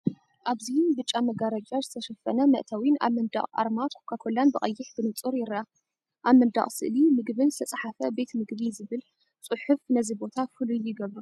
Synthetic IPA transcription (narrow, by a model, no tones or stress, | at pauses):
ʔaβzinbɨt͡ʃʼːamɐɡaɾɐt͡ʃʼɐzɨt̪ʰɐʃɐfɐnɐmɐʔt̪ʰawina̰βmɐnd̪a̰χʼa̰ɾmat̪okʰakʰolːanbɨɐjːɪħb̥ɨnɨt͡sʼuɾjɪɾa | ʔaβmɐnd̪a̰χʼsɨ̰ʔlimɨɡbɨnzɨt̪ʰɐt͡sʼaħafɐbe̞t̪mɨɡβizɨβɨl | t͡sʼɨħʊfnɐzibo̞t̪ʰafɨluɪɡɐβɾu